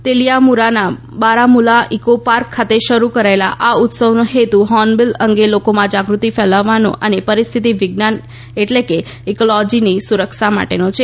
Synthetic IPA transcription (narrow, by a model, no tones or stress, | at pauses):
t̪elijamuɾana | baɾamulaʔikopaɾkʰːat̪eʃəɾukəɾaelaʔaʊt̪səʋnoɦet̪uɦɔnbiləŋɡelokomãd͡ʒaɡɾut̪ifɛlaʋːano̰ʔənepəɾist̪ʰit̪iʋɪɡnan | eʈleke | ekolɔd͡ʒinisuɾəkʃama̰ʈenot͡ʃʰe